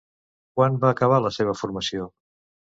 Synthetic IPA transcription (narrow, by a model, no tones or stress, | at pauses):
kwanbaːkəβ̞aləseβ̞əfuɾməsio